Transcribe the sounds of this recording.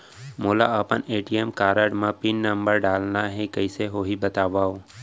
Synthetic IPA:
moːla̰əpəneːʈijemkaːɾəɖmãpinːə̃mbəɾɖaːlnaɦɛ̃kəɪseɦoːɦibət̪aːʋaːo

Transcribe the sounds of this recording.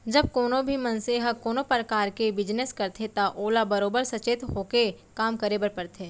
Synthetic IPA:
d͡ʒɐb̚koːnõbʱimɐnseɦɐkoːnopɾəkaːɾkebɪd͡ʒneskɐɾt̪ʰet̪aʔoːlabɐɾoːbəɾsɐt͡ʃeːt̪ɦoːke | kaːmkɐɾebəɾpɐɾt̪ʰeː

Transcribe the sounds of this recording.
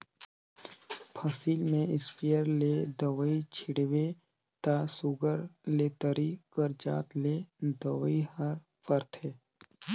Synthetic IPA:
pʰəsiːlmẽɪspejəɾled̪əʋəit͡ʃʰɪɽʋe | t̪asʊɡəɾleːt̪əɾikəɾd͡ʒa̰ːt̪led̪əʋihəɾ | pəɾt̪ʰeː

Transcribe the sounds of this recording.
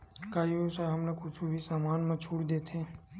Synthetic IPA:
kajusaɦəmnakʊt͡ʃʰubʱisaːmaːnmãt͡ʃʰuːɽd̪eːt̪ʰẽː

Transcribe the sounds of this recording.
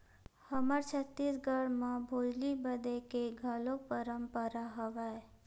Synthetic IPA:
həmaɾt͡ʃʰət̪ːisɡʱəɽmãbʱod͡ʒlibəd̪ekeɡʱəlok̚pəɾəmpəɾaɦəʋae

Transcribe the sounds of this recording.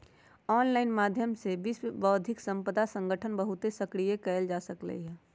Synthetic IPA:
ɔːnlaːɪnmaːd̪ʱjəmsebisbəːd̪ʱɪksə̃mpəd̪asə̃ŋɡəʈʰənbəɦʊt̪esəkɽijekəəld͡ʒaːsəklə̰iɦɛː

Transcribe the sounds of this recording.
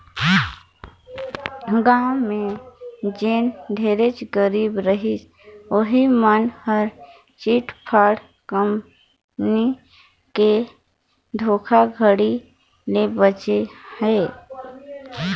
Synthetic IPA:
ɡaːmẽ | d͡ʒeːnd̪ʱeːɾet͡ʃɡəɾiːbɾəɦis | oɦimənhəɾ | t͡ʃiːʈpʰaːɽ | kəm | ni | ke | d̪ʱoːkʰaɡʱəɽi | lebət͡ʃehɛ

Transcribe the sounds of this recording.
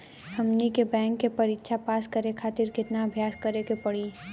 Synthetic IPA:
hɐmnikebɛ̃ːŋkːepɐɾɪkʃʰapaːskɐɾekʰaːt̪ɪɾkɪt̪naəbʱjaːskɐɾekepɐɽi

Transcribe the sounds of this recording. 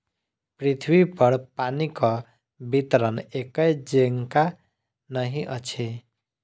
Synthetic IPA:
pɾit̪ʰwipəɾpanikɔ | bit̪ɾənekəjd͡ʒeŋka | nəɦiʔət͡ʃʰi

